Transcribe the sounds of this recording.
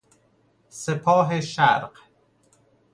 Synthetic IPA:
sepʰɒːɦeʃæɾɢ

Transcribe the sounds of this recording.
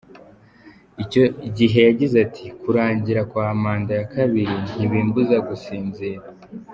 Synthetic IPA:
icoɟiɦe̞jaɟizatʰikuɾaːɲɟiɾakwaːmaːndajakaβiɾin̥iβiːmbuzaɡusiːnziɾa

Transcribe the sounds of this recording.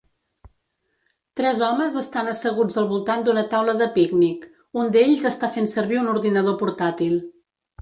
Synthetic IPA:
t̪ɾɛzɔməzəst̪anəsəɣud͡zðəlˠβulˠt̪and̪unət̪awləðəpiɡnik | und̪eʎzəst̪afensəɾβiunuɾðinəð̞opuɾt̪at̪ilˠ

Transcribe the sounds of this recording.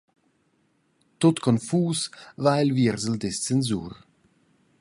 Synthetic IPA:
tot̪kʰɔnfuːsvaɪlviɾzəl̩dɛst͡sɛnzṵːɾ

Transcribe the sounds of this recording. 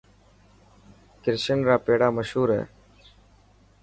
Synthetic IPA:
kɪɾʃənɾaːpeːɽaːməʃhuːɾḛː

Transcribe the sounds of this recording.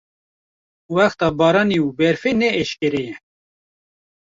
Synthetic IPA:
wæxt̪ɑːbɑːɾɑːniubɛɾfeːnɛːʃkʲɛɾejɛ

